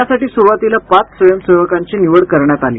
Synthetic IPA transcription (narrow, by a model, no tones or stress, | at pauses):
asaʈiːsuɾʋat̪ilapat͡ssʋəjəmseʋəkaɲt͡ɕiniʋəɽkəɾɳjat̪alḭː